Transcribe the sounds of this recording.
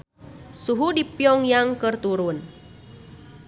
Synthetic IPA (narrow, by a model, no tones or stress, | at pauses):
suɦudipjɔŋjaŋkərt̪uɾun